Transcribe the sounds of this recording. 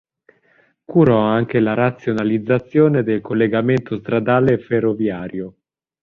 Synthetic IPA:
kuɾɔaŋk̟elaɾat̪sːjonalid̪zːat̪sːjoːned̪elkolːeɡament̪ost̪ɾad̪aːleferːovjaːɾjo

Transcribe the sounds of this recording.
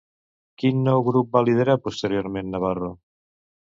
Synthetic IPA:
kinːɔwɣɾup̚balið̞eɾapost̪eɾjoɾmẽnːaβ̞aro

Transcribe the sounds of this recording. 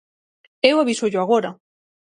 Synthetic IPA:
ewaβisoʎoaɣ̞oɾa

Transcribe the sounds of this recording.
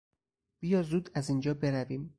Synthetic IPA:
b̥ijɒːzuːd̪æziːnd͡ʒɒːbe̞ɾæviːm

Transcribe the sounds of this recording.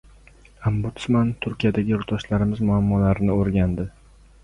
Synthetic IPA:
ambʊt̪smant̪ʰʊɾkʲijad̪aɡʲɪjʊɾt̪ɒʃlaɾɪmɪzmʊamːɒlaɾɪnɪoɾɡʲand̪ɪ

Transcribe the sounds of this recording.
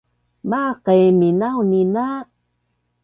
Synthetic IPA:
maqəjminawnina

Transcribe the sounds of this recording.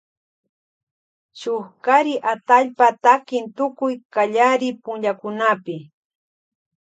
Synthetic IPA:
ʃʊχkaɾɪʔat̪aʎpat̪akɪnt̪ʊkʊjkaʎaɾɪpʊnʎakʊnapɪ

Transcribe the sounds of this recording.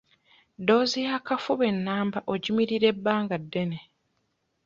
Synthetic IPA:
do̞ːzijakafuβe̞nːaːmbaʔo̞ɟimiɾiɾe̞bːaːŋɡadːe̞ne

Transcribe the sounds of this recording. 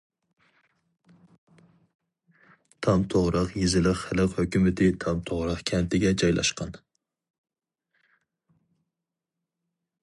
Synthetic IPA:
t̪ʰɑmt̪ʰoʁɾəqjizɪlɪqχɪlɨqhøkʲymɪt̪ʰɪt̪ʰɑmt̪ʰoʁɾəqkʲʰɛnt̪ʰɪɡʲɛd͡ʒɑjlʔɑ̰ʃqʰɑn

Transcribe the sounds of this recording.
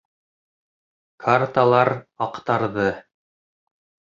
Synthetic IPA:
kʰart̪alˠɑɾɑqt̪ɑɾðɤ

